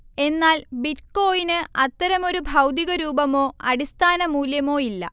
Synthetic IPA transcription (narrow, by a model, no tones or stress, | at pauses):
e̞nːaːlbitko̞ːjinɨɐt̪ːɐɾɐmo̞ɾubʱɐwd̪iɣɐɾuːbɐmo̞ːɐɽist̪ʰaːnɐmuːljɐmo̞ːjilːɐ̰